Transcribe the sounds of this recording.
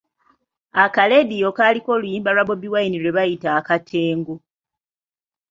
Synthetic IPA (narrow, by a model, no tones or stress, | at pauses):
akale̞dijo̞kaːliko̞ːlujiːmbalwaβo̞βiwainiɾweβajitaːkatʰe̞ːŋɡo